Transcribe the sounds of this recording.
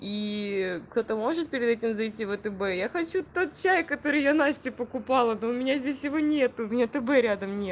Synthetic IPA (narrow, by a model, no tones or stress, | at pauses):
ikt̪o̞t̪əmo̞ʐɨt̪̚pʲɪɾʲɪd̪ɛtʲɪmzɐjtʲivət̪əbɛjaxɐt͡ɕut̪ːo̞t̪̚t͡ɕæjkɐt̪o̞ɾɨjanasʲtʲɪpəkʊpɑlˠənoʊmʲɪnʲazʲdʲesʲjɪvo̞nʲet̪ʊʊmʲnʲat̪əbɛɾʲad̪əmnʲe